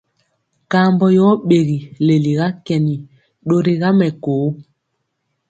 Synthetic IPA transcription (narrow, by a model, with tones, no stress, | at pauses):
kaː˨˦mbɔ˨jɔ˨˦ɓe˨ɣi˨le˨li˨ɣa˦kɛ˨ni˨ | ɗo˦ɾe˦ɣa˦mɛ˨koː˨˦